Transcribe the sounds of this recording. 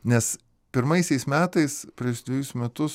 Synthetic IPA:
nʲɛs | pʲɪɾmɐɪsʲɛɪsmʲæːt̪ɐɪspʲɾʲiːʃd̪ʋʲɪjʊsmʲɛt̪ʊs

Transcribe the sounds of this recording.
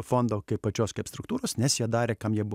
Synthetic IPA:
foːnd̪oːkɐɪppɐt͡ʃʲoːskɐɪpst̪ɾʊkt̪uːɾoːsnʲɛsjiɛd̪ɑːɾʲeːkɐmjiɛbʊ

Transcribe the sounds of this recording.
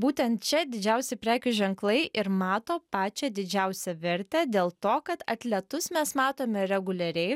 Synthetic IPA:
buːt̪ʲɛnt̪t͡ʃʲɛd̪ʲɪd͡ʒʲɛʊsʲɪpʲɾʲæːkʲʊʒʲɛŋklˠɐɪʔɪɾmɑːt̪oːpɑːt͡ʃʲɛd̪ʲɪd͡ʒʲɛʊsʲɛʋʲɛɾʲt̪ʲɛd̪ʲeːlˠt̪oːkɐt̪ɐ̰t̪ʲlʲɛt̪ʊsmʲɛsmɑːt̪oːmʲɛɾʲɛɡʊlʲɛɾʲɛɪ

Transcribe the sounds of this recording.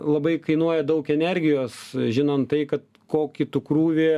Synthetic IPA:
lˠɐbɐɪkɐɪnuɔjɛd̪ɐʊkɛnʲɛrʲɡʲɪjoːsʒʲɪnɐnt̪t̪ɐɪkɐt̪̚ | koːkʲɪt̪ʊkruːʋʲeː

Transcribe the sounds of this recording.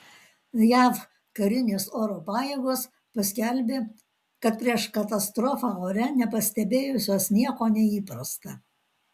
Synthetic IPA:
jæf | kɐɾʲɪnʲeːsoːɾoːpɑːjeːɡoːs | pɐsʲkʲɛlʲbʲeː | kɐt̪pʲɾʲiɛʃkɐt̪ɐst̪ɾɔfɑːoːɾʲɛnʲɛpɐsʲt̪ʲɛbʲeːjʊsʲoːsnʲiɛkoːnʲɛiːpɾɐst̪ɐ

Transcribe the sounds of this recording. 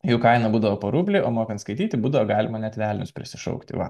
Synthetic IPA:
juːkɐɪnɐbuːd̪ɐʋoːpoːɾuːbʲlʲiːʔoːmoːkʲɐnt̪skɐɪt̪ʲiːt̪ʲɪbuːd̪ɐʋoɡɑːlʲɪmɐnʲɛt̪ʲʋʲæːlʲnʲʊspʲɾʲɪ̰sʲɪʃɐ̰ʊkt̪ʲɪ̰ʋɐ̰

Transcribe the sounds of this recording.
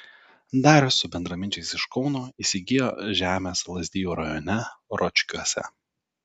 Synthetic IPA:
d̪ɑːɾʲʊsʊbʲɛnd̪ɾɐmʲɪnʲt͡ʃʲɛɪsɪʃkɒʊnoːiːsʲɪɡʲɪjo̰ːʒʲæːmʲeːslˠɐzʲd̪ʲɪjuːɾɐjɔnʲɛɾɔt͡ʃʲkʲuɔsʲɛ̰

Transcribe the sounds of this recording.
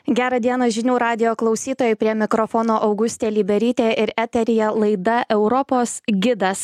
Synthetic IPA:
ɡʲæːɾɐd̪ʲiɛnɐʒʲɪnʲuːɾɑːd̪ʲɪjoːklˠɒʊsʲiːt̪oːjɛɪpʲɾʲiɛmʲɪkɾɔfoːnoːʔɐʊɡʊsʲt̪ʲeːlʲiːbʲɛɾʲiːt̪ʲeːɪɾæt̪ʲɛɾʲɪjɛlˠɐɪd̪ɐʔɛʊɾɔpoːsɡʲɪd̪ɐs

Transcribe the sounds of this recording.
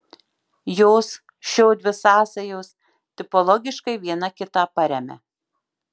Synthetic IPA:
joːs | ʃʲoːd̪ʲʋʲɪsɑːsɐjoːs | t̪ʲɪpɔlˠɔɡʲɪʃkɐɪʋʲiɛnɐkʲɪt̪ɑːpɐɾʲɛmʲɛ̰

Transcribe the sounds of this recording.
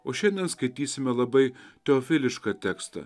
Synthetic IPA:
oːʃʲɛnʲd̪ʲɛnskɐɪt̪ʲiːsʲɪmʲɛlˠɐbɐɪt̪ʲɛoːfʲɪlʲɪʃkɑːt̪ʲæːkst̪ɐ̰

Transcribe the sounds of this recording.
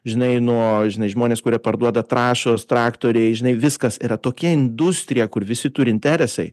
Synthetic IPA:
ʒʲɪnɐɪnuɔʒʲɪnɐɪʒmoːnʲeːskʊɾʲiɛpɐɾd̪uɔd̪ɐt̪ɾɑːʃoːst̪ɾɑːkt̪oːɾʲɛɪʒʲɪnɐɪʋʲɪskɐsiːɾɐt̪oːkʲɛɪnd̪ʊsʲt̪ʲɾʲɪjɛkʊɾʋʲɪsʲɪt̪ʊɾʲɪnʲt̪ʲæːɾʲɛsɐɪ

